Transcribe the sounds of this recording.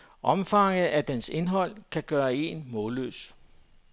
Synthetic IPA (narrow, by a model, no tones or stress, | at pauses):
ʔɒ̽mfɑ̈ŋð̩ˠæd̥ense̝nɦɒ̽l̰kʰæɡ̥ɶːɐe̝nmɔ̽ːlø̰ːs